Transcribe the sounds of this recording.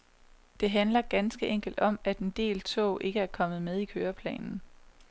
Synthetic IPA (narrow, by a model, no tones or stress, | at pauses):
d̥e̝ɦænlɐɡ̥ænsɡ̥əʔeŋ̰ɡ̥l̩d̥ɒ̽mæd̥e̝nd̥e̝̰ːlt͡sʰɔ̰ːʔe̝ɡ̥əæɐkʰɒ̽mð̞̩ˠmeð̞ˠikʰøːɐpʰlɛ̰ːnn̩